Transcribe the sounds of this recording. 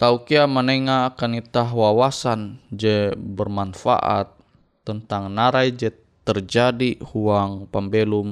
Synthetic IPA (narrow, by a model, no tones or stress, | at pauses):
t̪aukiaməneŋaːkanit̪aɦwawasand͡ʒɛbərmanfa̰ʔa̰t̪̚ː | ənt̪aŋnaɾajd͡ʒɛ | t̪ərd͡ʒadihuaŋpambelum